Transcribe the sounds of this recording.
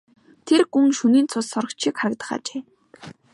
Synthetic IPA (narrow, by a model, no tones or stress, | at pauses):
t̪ʰerɡuŋʃuniːnt͡sʰʊsɔɾə̆kt͡ɕʰikχaɾə̆k̚t̪ə̆χa̰ːt͡ɕeː